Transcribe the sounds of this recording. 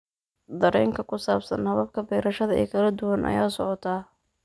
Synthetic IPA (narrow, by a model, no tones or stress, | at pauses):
d̪ɐɾɛːŋkʰɐkʰʊsaːbsɐnhɐβɐb̚kʰɐbɛːɾɐʃɐðɐɛ̰ːkʰɐlɐd̪ʊwɐnʔɐ̰jaːsɔʕɔt̪ʰaː